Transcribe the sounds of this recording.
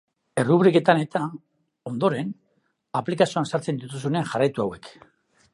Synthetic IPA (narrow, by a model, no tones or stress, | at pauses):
e̞ruβɾike̞t̪ane̞t̪a | o̞nd̪o̞ɾe̞n | aplikasioansaɾt͡se̞nd̪ut̪us̬une̞anʝarajt̪uawe̞k